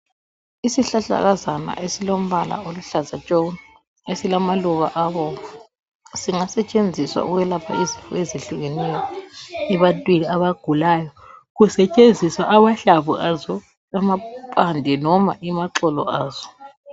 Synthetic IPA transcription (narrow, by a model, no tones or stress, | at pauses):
isiɬaɬa̰ɣazana̰ʔesilom̩βala̰oluɬazat͡ʃʼon | esilamaluβa̰ʔaβɔa | siŋasɛt͡ʃʼend͡zʱiswa̰ṵɣwɛlapʰa̰izinfʰʼṵezeɬuɣenɛjɔɛβantʼwiniaβaɡ̥ʱulajɔ | ɣusɛt͡ʃʼend͡zʱiswaʔaβaɬaβuʔazɔ | amapʼandʱɛnɔma̰ʔimaǁɔlɔ̰ʔaːz̥ɔ